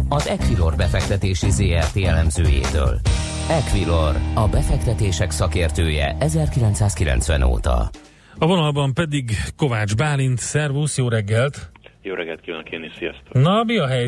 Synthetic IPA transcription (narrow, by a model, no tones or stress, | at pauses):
ɒzɛkʋilo̞rbɛfɛk̚t̪ɛt̪eːʃizeːɛrt̪eːjɛlɛmzøːjḛːt̪ø̰ːl | ɛkʋilorɒbɛfɛk̚t̪ɛt̪eːʃɛksɒkeːrt̪øːjɛ̰ʔɛzɛrkilɛnt̪saːskilɛ̰nt̪sʋɛ̰no̰ːt̪ɒ̰ | ɒvo̞nɒlbɒmpɛd̪iɡko̞vaːd͡ʒbaːlint̪sɛrvuːsjoːɾɛɡːɛlt̪joːɾɛɡɛlt̪kiʋankenisijɒst̪onɒbiɒɦɛj